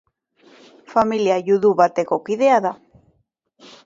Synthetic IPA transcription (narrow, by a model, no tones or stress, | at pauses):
familjajuðuβat̪ekokiðeaða